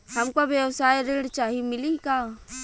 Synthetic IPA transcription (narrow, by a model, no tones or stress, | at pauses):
hɐmkobjəwsaːjɾeɽt͡ʃaːɦimɪlika